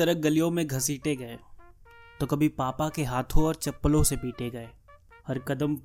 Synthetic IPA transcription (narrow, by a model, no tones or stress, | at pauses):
ɐɾəɦɡɐlijõmẽɡʱɐsiːʈeɡɐe | t̪okɐbʱipaːpakeɦaːt̪ʰõɔːɾt͡ʃɐpːəlõsepiːʈeɡɐeː | ɦɐɾkɐd̪əm